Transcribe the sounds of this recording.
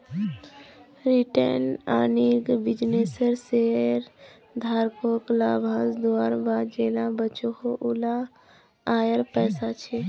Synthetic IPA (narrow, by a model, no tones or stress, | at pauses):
ɾiʈə̰na̰ːniɾɡbɪd͡ʒneːsəɾseːɾ | d̪ʱaːɾkoːklaːbʱãːsd̪oaːɾbʱaːd͡ʒeːlãbət͡ʃoɦoʔula | aːjəɾpɛːsat͡ʃʰe